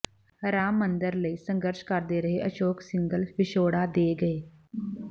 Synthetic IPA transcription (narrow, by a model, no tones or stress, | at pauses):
ɾaːmːənd̪əɾləisə̃ŋɡəɾʃkaɾd̪eɾɐɦeʔəʃoːksɪŋɡəlfɪʃoːɽad̪eɡɐeː